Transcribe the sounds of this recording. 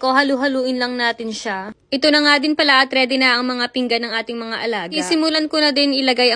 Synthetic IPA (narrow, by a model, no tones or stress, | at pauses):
kohɐluɦɐluːʔɪnlɐŋnaːt̪ɪnʃaʔɪt̪onɐŋad̪ɪnpɐlaʔɐt̪ɾɛd̪ɛnaʔɐŋmɐŋapɪŋɡanɐŋʔaːt̪ɪŋmɐŋaʔɐlaɡisɪmʊlankonɐd̪ɛnʔɪlɐɡajɐ